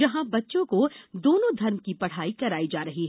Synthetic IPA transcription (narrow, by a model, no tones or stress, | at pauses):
d͡ʒɐɦãbɐtːʃõkod̪oːnõd̪ʱɐɾmkipɐɽ̤aːikɐɾaːid͡ʒaːɾɐɦiɦɛ